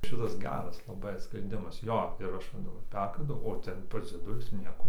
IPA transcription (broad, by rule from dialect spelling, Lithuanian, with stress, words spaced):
ˈʃʲɪtɐs ˈɡʲæːrɐs lˠɐˈbɐɪ sʲpʲrʲɛnʲˈdʲɪmɐs ˈjoː ɪr ˈɐʃ ˈʋɐ dɐˈbɐr ˈpʲɛrkɐndɐʊ oː ˈtʲɛn ˈpɐs d͡zʲiɛˈdʊlʲʊs ˈnʲiɛkoː